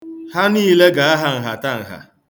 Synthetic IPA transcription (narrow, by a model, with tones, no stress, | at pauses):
ha˦niː˦le˦ɡa˨a˦ɦa˨ŋ̩˨ɦa̰˨ta˦˨ŋ̩˨ɦa̰˨